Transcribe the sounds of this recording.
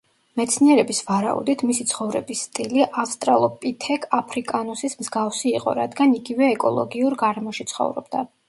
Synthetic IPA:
mɛt̪sʰniɛɾɛbisvaɾa̰ṵd̪it̪ʰmisit̪sʰχɔvɾɛ̰bisːt̪ʼiliʔafst̪ʼɾalˠɔpʼit̪ʰɛkʰʼapʰɾikʼanusismzɡafsiːqʼɔ̰ɾad̪ɡaniɡivɛːkʼɔlˠɔ̰ɡiuɾɡaɾɛmɔʃit̪sʰχɔ̰vɾɔ̰bd̪a

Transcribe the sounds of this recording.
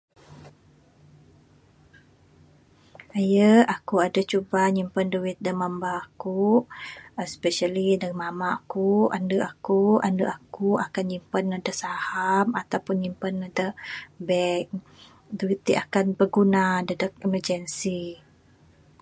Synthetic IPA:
ajəakuadat͡ʃubaɲimpənduwɪt̪̚dəmambaːku | spɛʃalidamamakua̰ndəʔakua̰ndəʔakuakanɲimpanadasahamat̪awpunɲimpənadəbɛk̚ | duwit̪̚d̪iʔakanbəɡunadədək̚ɛmərd͡ʒənsi

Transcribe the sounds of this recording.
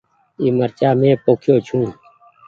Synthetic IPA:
iːməɾt͡ʃaːmẽːpoːkʰjoːt͡ʃʰũː

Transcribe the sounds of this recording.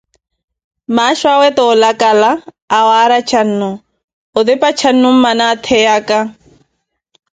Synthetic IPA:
maʃwawɛt̪ɔlakʼalaː | waɾat͡ʃʰan̩nʊ | ʊd̪ɪpat͡ʃʰan̩nʊm̩manat̪ʰɛjakʼa

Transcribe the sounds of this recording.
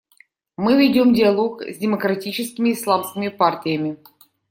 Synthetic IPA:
mɨvʲɪdʲomdʲɪalˠokzʲdʲɪməkɾatʲit͡ɕɪskʲɪmʲɪːslˠamskʲɪmʲɪpartʲɪjəmʲɪ

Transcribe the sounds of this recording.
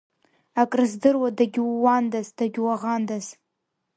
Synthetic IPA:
akʼrɨzdɨrwadaɡʲwːandazd̥aɡʲwaʁandaz

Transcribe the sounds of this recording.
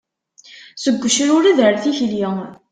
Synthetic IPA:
səɡʷːəʃɾʊɾaðəɾθiçljɪ

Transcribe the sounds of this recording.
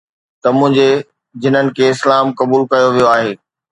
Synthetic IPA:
t̪ɐmʊ̃ɦɪ̃ɲd͡ʑe | d͡ʑɪn̤ənɪ̆kʰeɪslaːmkɐbuːlkɐjoʋijoaːɦeː

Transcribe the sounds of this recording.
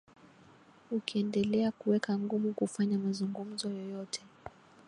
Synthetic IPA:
ukiɛndɛlɛakuwɛkaŋɡumukufaɲamazuŋɡum̩zɔjɔjɔtʰɛ̥

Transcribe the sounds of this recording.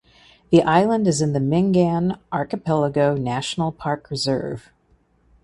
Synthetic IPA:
ðiʔaɪlˠə̃ndɨzɨ̃nðɨmɪ̃ŋɡæ̃nʔɑɹkɨpʰɛlˠəɡoʊnæʃn̩l̩ˠpʰɑɹkʰɹɨzɜ̰˞v̥

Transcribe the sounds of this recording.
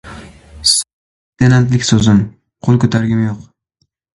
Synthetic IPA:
s | t̪enant̪lɪkʲsozɪm | qʰolˠkɵt̪ʰaɾɡʲɪmjoq

